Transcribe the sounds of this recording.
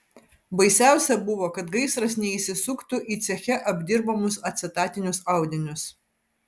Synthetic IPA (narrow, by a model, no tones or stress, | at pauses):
bɐɪsʲæˑʊsʲɛbʊʋoːkɐt̪ɡɐɪsɾɐsnʲɛiːsʲɪsʊkt̪ʊʔiːt̪sʲɛxʲɛʔɐbʲd̪ʲɪɾbɐmʊsɐt̪ʲsʲɪt̪ɑːt̪ʲɪnʲʊsɑˑʊd̪ʲɪnʲʊs